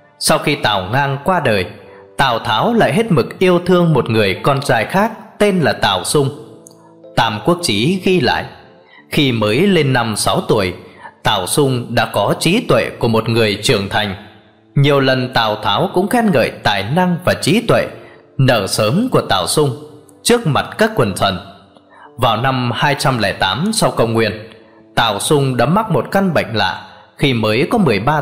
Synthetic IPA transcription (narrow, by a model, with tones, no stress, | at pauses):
sa˧wxi˧t̪aː˨˩wŋaː˧ŋkwaː˧ɗəː˨˩j | t̪aː˨˩wt̪ʰaː˨˦wla̰ː˧˨jɦe˦˥t̚mɨ˨˩k̚ʔi˧əwt̪ʰɨ˧əŋmo˨˩t̚ŋɨ˨˩əjkɔ˧nt͡ɕaː˧jxaː˦˥k̚t̪e˧nlaː˨˩t̪aː˨˩wsʊ˧ŋ͡m | t̪aː˧˩mku˦˥ək̚t͡ɕi˨˦ɣi˧la̰ː˧˨jʔ | xi˧məː˨˦jle˧nːa˧msa˨˦wt̪u˧˩əjt̪aː˨˩wsʊ˧ŋ͡mɗa̰ː˧˥kɔ˨˦t͡ɕi˨˦t̪wḛ˧˨ku˧˩əmo˨˩t̚ŋɨ˨˩əjt͡ɕɨ˨˩əŋt̪ʰa˨˩jŋ̟ | ɲi˨˩əwlə˨˩nt̪aː˨˩wt̪ʰaː˨˦wkʊ̰˧˥ŋ͡mxɛ˦˥t̚ŋə̰ː˧˨jt̪aː˨˩jna˧ŋvaː˨˩t͡ɕi˨˦t̪wḛ˧˨ | nəː˧˩səː˨˦mku˧˩ət̪aː˧˨˩wsʊ˧ŋ͡m | t͡ɕɨ˦˥ək̚ma˨˩t̚kaː˦˥kːwə˨˩nt̪ʰə̰˧˨n | vaː˨˩wna˧mhaː˧jt͡ɕa˧mlɛː˧˩t̪aː˨˦msa˧wkə̰˧˨wŋ͡mŋwḭ˧˨ən | t̪aː˨˩wsʊ˧ŋ͡mɗa̰ː˧˥ma˦˥t̚mo˨˩t̚ka˧nŋɓə̰˧˨jŋ̟la̰ː˧˨ | xi˧məː˨˦jkɔ˨˦mɨ˨˩əjɓaː˧